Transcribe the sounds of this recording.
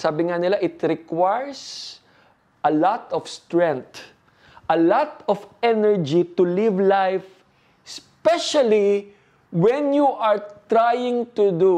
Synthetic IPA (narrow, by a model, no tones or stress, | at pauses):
saːbɪŋanɪlaʔɪt̪ɾɪkwajɹs | ʔɐlɔt̪ɔfst̪ɹɛ̃nt̪ | ʔɐlat̪ɔfɛnɛɹd͡ʒit̪ʊlɪvlajf | spɛʃali | wɛ̃njuʔɐɹt̪ɾajɪ̃ŋt̪ud̪u